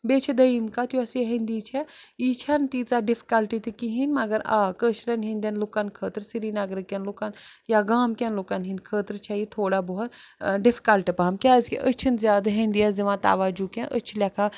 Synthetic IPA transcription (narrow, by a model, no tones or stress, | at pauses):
beːt͡ʃʰid̪ɐimkat̪juɐsiɦind̪iːt͡ʃʰɛit͡ʃʰɐnt̪iːt͡saɖifi̥kɐlʈit̪ikiɦinʲmɐɡəɾa̰ːkəʃɾɐnɦĩnʲd̪ʲɐnlukankʰəːt̪ɾsiɾiːnɐɡɾɨkːʲɐnlukanjaɡaːmkʲɐnloːkanɦĩnkʰəːt̪əɾt͡ʃʰajit̪ʰoːɽaːboɦʊt̪ɖɪfʰi̥kɐlʈipaɦmkʲaːzkḭʔət͡ʃʰinzjaːd̪ɦind̪iaːsd͡ʒɐʋãːt̪a̰ːʋaːd͡ʒukɛ̃ʔət͡ʃʰilʲakʰa